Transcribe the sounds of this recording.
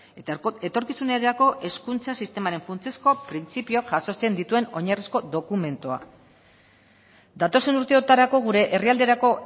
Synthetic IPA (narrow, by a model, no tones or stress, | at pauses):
e̞t̪o̞ɾkisuneɾɾako̞ʔe̞skunt͡sasist̪e̞maɾe̞ɱfunt͡siesko̞pɾint͡sipioaʝaso̞t͡se̞nd̪it̪ue̞no̞ɲarisko̞d̪o̞kume̞nt̪oa̰ | d̪at̪o̞se̞nuɾt̪e̞o̞t̪aɾako̞ɣ̞uɾe̞ʔeriald̪e̞ɾako̞